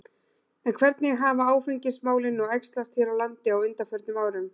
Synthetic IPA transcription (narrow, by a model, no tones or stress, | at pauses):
ɛnkʰvɛɾt̪nɪɣɦaːvaaːwfɪɲcɪsmaːwlɪnːɔɣɛjkst̪last̪hiːɾawlant̪ɪawʏnt̪afœɾt̪nʏmaːwɾʏm